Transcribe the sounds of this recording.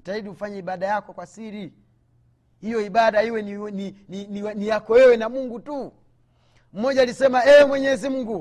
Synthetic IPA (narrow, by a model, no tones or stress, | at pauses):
taidiufaɲaiɓaɗajakɔkwasiɾi | hijɔiɓaɗaiwɛninininiwɛnijakɔwɛwɛnamuŋɡutu | m̩mɔʄalisɛmaɛmwɛɲɛzimuŋɡu